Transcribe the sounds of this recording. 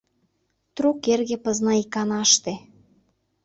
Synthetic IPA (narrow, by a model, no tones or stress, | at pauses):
t̪ɾukerɣepɤ̆znɑikɑnɑʃt̪e